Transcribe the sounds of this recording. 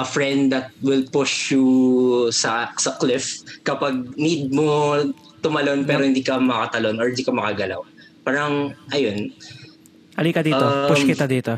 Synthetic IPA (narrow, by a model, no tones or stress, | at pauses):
ʔɐfɹɛnd̪ɐt̪̚wɪlpʊʃju | sɐsɐklɪfkɐpaɡ̚nid̪̚mo | t̪ʊmɐlo̞npɛːɾohɪnd̪iːkɐmɐkɐt̪ɐlo̞nɔɹɪnd̪iːkɐmɐkaɡɐla̰w | paːɾɐŋʔɐjon | hɐliːkɐd̪iːopʊʃkɪt̪ad̪iːt̪o